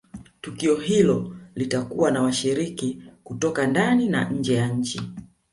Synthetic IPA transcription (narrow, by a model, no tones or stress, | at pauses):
tukiɔɦilɔlitakuwanawaʃiɾikikutɔkandanina̰ɲ̩d͡ʒɛjaɲ̩t͡ʃi